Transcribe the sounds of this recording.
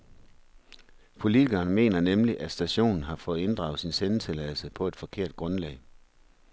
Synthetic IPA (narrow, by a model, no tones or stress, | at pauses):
pʰo̝lit͡sʰiɡɐːnme̝̰ːnɐnemliʔæ̥sd̥æɕo̝̰ːnn̩ɦɑ̈fɔ̽ːð̩ˠe̝nd̥ʁɑ̈ʊsinsenət͡sʰe̝lɛðˠlsəpʰɒ̽e̝d̥fɒ̽kʰe̝ɐ̰d̥̚ɡ̥ʁɔ̽nlɛ̰ɪ